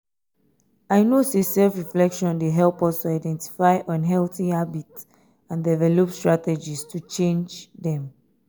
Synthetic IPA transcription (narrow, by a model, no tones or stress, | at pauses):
aɪnosesɛlfɹiflɛkʃɔ̃ndeɦɛlpɔstuaɪdɛ̃nti̥faɪʔɔ̃nɦɛlθihabits | ãndɛvɛlopstɹatɛd͡ʒistʰut͡ʃẽnd͡ʒdɛ̃m